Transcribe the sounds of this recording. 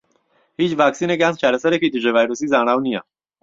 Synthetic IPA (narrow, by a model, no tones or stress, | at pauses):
hit͡ʃʋaːksiːnekjãnst͡ʃʰaːɾesɐɾekit̪iʐeʋaːjɾusiːzaːɽ̃aːwnija